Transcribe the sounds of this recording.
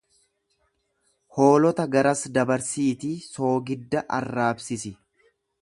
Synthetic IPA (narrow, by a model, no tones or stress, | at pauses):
hoːlɔt̪ɐɡɐɾɐsd̪ɐbɐɾsiːt̪iso̞ːɡɪd̪ːɐʔɐrːaːbsɪsɪ